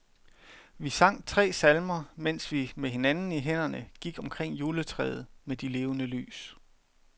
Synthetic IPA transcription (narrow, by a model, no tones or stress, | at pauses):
ʋisɑ̈ŋ̰t͡sʰʁɛ̰ːsælmɐmen̰sʋimeɦe̝nænn̩iɦen̰ɐnəɡ̥iɡ̥ɒ̽mkʰʁeŋ̰juːlət͡sʰʁɛ̰ːð̩ˠmed̥ile̝ːʊənəly̰ːs